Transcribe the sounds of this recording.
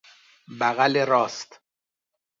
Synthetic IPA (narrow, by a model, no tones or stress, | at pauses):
bæɣæleɾɒːst̪